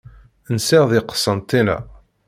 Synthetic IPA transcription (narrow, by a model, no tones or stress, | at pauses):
nsiʁðɪqə̥sːənt̪ˤːinæ̰